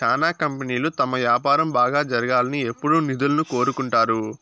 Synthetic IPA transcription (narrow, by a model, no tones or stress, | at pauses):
t͡ʃaːnaːkɐmpɐniːlut̪ɐmɐʋjaːpaːɾɐmbaːɡaːd͡ʒɐɾɐɡaːlɐnie̞pːuɽunid̪ulɐnuko̞ːɾukuɳʈaːɾu